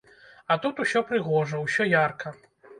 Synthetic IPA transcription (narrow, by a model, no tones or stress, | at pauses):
ɐt̪ut̪usʲɔpɾɨɣɔʐɐwsʲɔjarkʰɐ